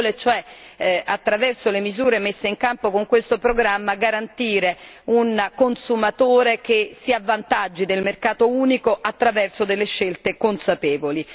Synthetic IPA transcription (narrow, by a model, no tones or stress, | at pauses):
let͡ʃoɛat̪ːɾavɛrsolemizuːɾemesːeiŋkampokoŋkwest̪opɾoɡɾamːaɡaɾant̪iːɾe | unkonsumat̪oːɾekesiavːant̪ad͡ʒːid̪elmerkaːt̪ouːnikoʔat̪ːɾavɛrsod̪elːeʃːelt̪ekonsapɛːvoli